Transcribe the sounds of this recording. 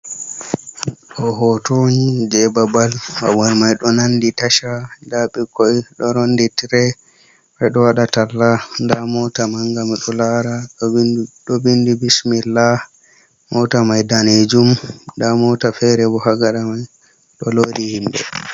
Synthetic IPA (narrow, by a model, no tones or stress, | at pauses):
ɗɔɦɔtoɲid͡ʒɛbabalwa̰wɔɾmajɗɔnanditaʃadaɓikɔjɗɔɾonditiɾɛ | ɓɛɗɔwaɗatalːandamɔtamaŋɡamiɗɔlaɾa | ɗɔbindibismilːa | mɔtamajdaned͡ʒumdamɔtafɛɾɛbɔhaɡaɗamaj | ɗɔlodihimbɛ̰